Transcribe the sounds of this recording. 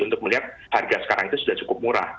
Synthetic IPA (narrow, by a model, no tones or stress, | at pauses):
unt̪ʊk̚məliɦat̪̚ | harɡasə̥kaɾaŋit̪usudaht͡ʃukʊp̚muɾa̰h